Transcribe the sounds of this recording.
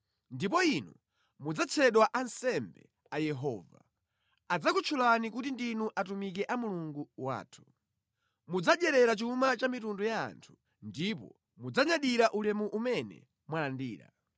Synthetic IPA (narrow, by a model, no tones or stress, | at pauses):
ndipɔinṵ | mud͡zat͡sʰɛɗwaʔansɛmbɛ̰ | ajɛɦɔːva̰ | ad͡zakut͡ʃʰulanikutindinuʔatumik̬ɛʔamuluŋɡuwa̰ːtʰu̥ | mud͡zaɗɛɾɛɾat͡ʃumat͡ʃamitundɔja̰ːntʰu̥ | ndip̬ɔ̰ | mud͡zaɲaɗiɾaʔulɛmuʔumɛnɛ̰ | mwalandiːɾa̰